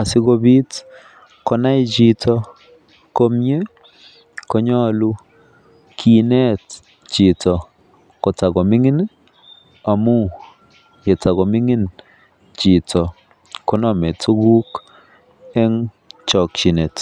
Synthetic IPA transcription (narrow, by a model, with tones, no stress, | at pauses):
a˨si˦ko˧bi˦t | kɔ˦na˦jt͡ʃi˦tɔ˦ | ko˦mje˦ | ko˦ɲɔ˦˨lu˦ | kʰi˨nɛ˦t | t͡ʃi˨tɔ˨ | kɔ˨ta˨ɡɔ˨mi˦ŋi˦n | a˨mu˦ | je˨ta˨ɣɔ˨mi˦ŋi˦n | t͡ʃi˨tɔ˨ | ko˦nɔ˨mɛ˨tu˦ɡu˦k | ɛ˦ŋ | t͡ʃɔ˨k̚t͡ʃi˨nɛ˨t